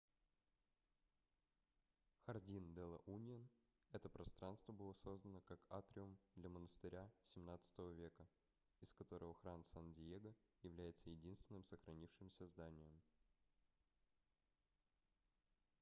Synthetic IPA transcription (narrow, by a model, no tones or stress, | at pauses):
xɐrdʲind̪ɛlˠə̰ʔunʲɪən | ɛt̪əpɾɐst̪ɾanst̪vəbɨlˠəso̞zd̪ənəkakat̪ɾʲɪʊmd̪lʲɐmənəst̪ɨɾʲasʲɪmnat̪sɨ̥t̪əvəvʲe̞kə | ɪskɐt̪o̞ɾʔəvəxɾansandʲɪjeɡəjɪvlʲæjɪt̪səjɪdʲinst̪vʲɪnːɨmsəxɾɐnʲifʂɨmsʲəzd̪anʲɪjɪm